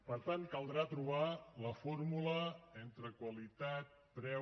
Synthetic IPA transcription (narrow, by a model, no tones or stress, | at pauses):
pəɾt̪ankəlˠd̪ɾat̪ɾuβaləfoɾmuləent̪ɾəkwəlit̪at̪̚pɾɛ